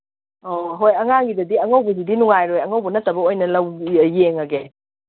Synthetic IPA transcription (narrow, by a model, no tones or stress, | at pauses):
oɦojɐŋaŋɡidɐdiɐŋɐwbɐsidinuŋajɾojɐŋɐwbɐnɐtːɐbɐojnɐlɐwjeŋɐɡe